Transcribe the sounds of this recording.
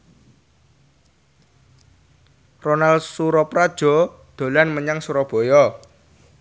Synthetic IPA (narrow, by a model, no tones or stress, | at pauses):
ronalsuɾɔpɾad̥ʒ̥ɔ̤ | d̪̥o̤lanməɲaŋsuɾɔb̥o̤jɔ